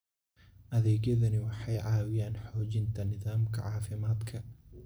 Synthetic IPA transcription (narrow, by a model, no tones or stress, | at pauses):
ʔɐðɛːɣjɐðɐnɪwɑħɑjʕɑːwɪjaːnħɔːt͡ʃɪnt̪ʰɐnɪðaːmkʰɐ̰ʕɑːfɪmaːd̪kʰɐ